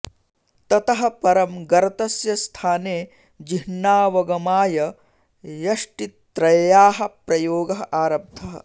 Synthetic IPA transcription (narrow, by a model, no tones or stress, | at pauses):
t̪ɐt̪ɐɦɐpɐɾɐmɡɐɾɐt̪ɐsjɐst̪ʰaːneː | d͡ʒiɦɳːaːʋɐɡɐmaːjɐ | jɐʂʈit̪ɾɐjjaːɦɐ̆pɾɐjoːɡɐɦɐʔaːɾɐb̚d̪ʱɐɦɐ̰